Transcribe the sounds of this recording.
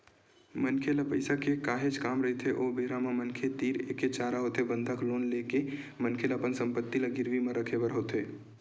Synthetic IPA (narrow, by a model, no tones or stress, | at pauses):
mənkʰeləpəɪsakekaːɦed͡ʒkaːmɾəɦet̪ʰeʔoːbeɦɾamẽmənkʰet̪iːɾḛket͡ʃaːɾaɦot̪ebə̃nd̪ʱəkloːnleke | mənkʰeləːpənsə̃mpət̪ːiləɡɪɾʋimẽɾəkʰebəɾɦoːt̪eː